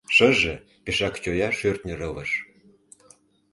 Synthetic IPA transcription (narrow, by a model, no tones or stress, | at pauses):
ʃɤ̆ʒĕ | peʃɑkt͡ɕojɑʃørt̪nʲiɾɤvɤʃ